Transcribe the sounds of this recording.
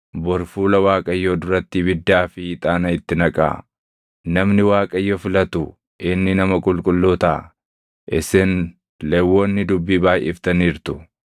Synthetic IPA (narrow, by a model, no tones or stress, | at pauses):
bɔɾfuːlɐwaːkʼɐjːoːd̪ʊɾɐt̪ːɪbɪd̪ːaːfɪːt̪ʼaːnɐɪt̪ːɪnɐkʼa̰ː | nɐmnɪwaːkʼɐjːofɪlɐt̪ʊ | ʔɪnːɪnɐmɐkʼʊlkʼʊlːoːt̪a | ʔɪsɛn | lewːoːnːɪd̪ʊbːiːbaːjɛ̰ft̪ɐniːɾt̪ʊ̥